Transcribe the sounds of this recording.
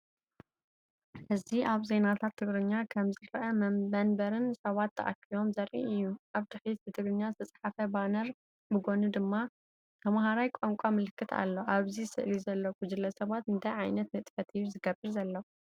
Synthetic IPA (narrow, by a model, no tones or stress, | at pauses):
hɨziʔaβze̞nat̪ʰat̪ʰːɨɡɾɨɲːakʰɐmzɨɾʔɐmɐɐnbɐɾɨnsɐβat̪ːɐ̰ʔa̰kʰːijo̞mzɐɾʔḭɨjːuʔaβd̪ʰɨħit̪bɨt̪ʰɨɡɾɨɲːazɨt̪ʰɐt͡sʼħafɐbanɐɾ | bɨɡo̞nud̪ɨmːa | t̪ʰɐmɦaɾajkʷʼoŋkʷʼamɨlɨkʰːɨt̪ʰa̰lːo̞ʔaβzisɨ̰ʔlizɐlːoɡud͡ʒɨlːɐsɐβat̪ɨnt̪ʰajʕajnɐt̪̚mɨt̪ʼfɐt̪ʰijuzɨɡɐbɨɾzɐlːɐ